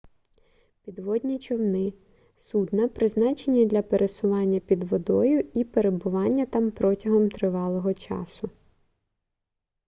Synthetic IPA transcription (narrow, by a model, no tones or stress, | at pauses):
pʲid̪ʋɔd̪ʲnʲit͡ʃɔwnɪ | sud̪nɐpɾɪznɑt͡ʃe̞nʲid̪lʲɐpeɾʔesʊʋɑnʲːɐpʲid̪ʋɔd̪ɔjʊipeɾe̞bʊʋɑnʲːɐt̪ɑmpɾɔtʲɐɦɔmt̪ɾɪʋɑlˠɔɦɔt͡ʃɑ̰sʊ